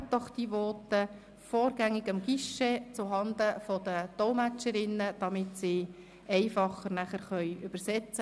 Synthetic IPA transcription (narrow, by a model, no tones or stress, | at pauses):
tːɔχd̥̪iʋɔːtə | fɔːɾɡ̥æŋːɪɡəmɡ̥iʃet͡sʊɦɑnd̪əfɔd̥̪ət̪ɔmæt͡ʃəɾɪnːəd̪̥ɑmɪtsiː | ɛɪfɑχːəɾnæχəɾχœjʉb̥əɾsɛt͡sə